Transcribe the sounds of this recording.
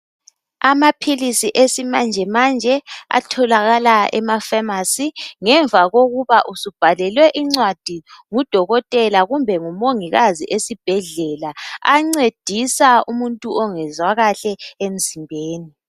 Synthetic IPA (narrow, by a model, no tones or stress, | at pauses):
amapʰilisiʔesimand͡ʒʱɛmand͡ʒʱɛa̰tʰɔlaɣalaɛ̰mafamasiŋɛɱvʱaɣoɣuβaʔusub̥ʱalɛlwɛʔiŋ͡ǀwad̥ʱiŋud̥ʱɔɣɔtʼɛlaɣumbʱɛŋumoŋiɣaziʔesib̥ʱɛɮɛlaaŋ͡ǀed̥ʱisaumuntʼuɔŋɛzwaɣaɬɛem̩zimbʱeːni